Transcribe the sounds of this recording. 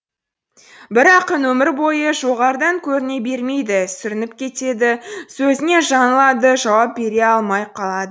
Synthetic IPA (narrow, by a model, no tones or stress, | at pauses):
bɪɾɑqənwɵmɪɾbo̞jəʒo̞ʁɑɾd̪ɑŋkʲʰɵɾɪne̞be̞ɾme̞jd̪ɪsʏɾɪnɪp̚kʲʰe̞t̪e̞d̪ɪsɵzɪne̞ʒɑnəlˠɑd̪əʒɑwɑp̚be̞ɾe̞ɑlˠmɑjqʰɑlˠɑd̪ə